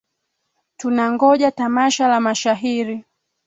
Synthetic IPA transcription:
tunaŋɡɔʄatamaʃalamaʃaɦiɾi

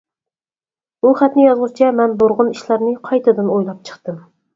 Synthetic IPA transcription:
buχæt̪nɪjɑzʁʊt͡ʃʰɛmɛnboɾʁʊniʃlæɾnɨqʰɑjt̪ʰɨd̪ɨnojlˠɑp̚t͡ʃʰə̥χt̪ɨm

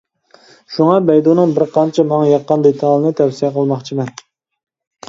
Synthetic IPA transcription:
ʃuŋɑbɛjd̪unɨŋbɪɾqʰɑnt͡ʃʰɛmɑŋjɑqːənd̪et̪ʰɑlˠɨnɨt̪ʰɛwsijɛqʰəlˠmɑχt͡ʃʰimɛn

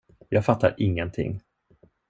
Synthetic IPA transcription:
jɑːɡfat̪ːa̰ɾʔɪŋːənt̪ʰɪ̰ŋː

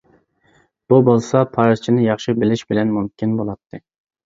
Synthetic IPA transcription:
b̥ubolˠsɑpʰɑɾzt͡ʃʰinɪjɑχʃibɪlɪʃbɪlɛnmumkʲʰinbolˠɑt̪ʰːɨ

